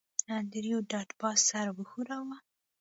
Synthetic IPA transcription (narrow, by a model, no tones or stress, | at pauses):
and̪ɾjoɖɑʈbɑsaɾwəxuɾawa